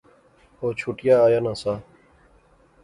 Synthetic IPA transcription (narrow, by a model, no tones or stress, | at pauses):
oːt͡ʃʰuːʈɪjaːjaːnãːsaː